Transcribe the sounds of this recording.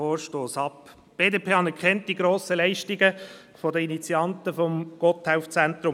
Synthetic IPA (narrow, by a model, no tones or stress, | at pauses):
oːɾʃtoːsɑp | b̥eːdeːpʰeːɑnɛɹkʰχɛnt̚d̥iɡɾoːsəlɛɪʃtiɡə | fɔdəinit͡siɑntəfɔmɡ̥ɔthaʊft͡sɛntɾʊ